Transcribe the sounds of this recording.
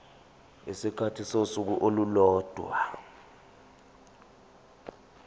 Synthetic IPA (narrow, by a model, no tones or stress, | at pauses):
esikʰatʰisosuk̬uʔolulɔːd̥ʱwa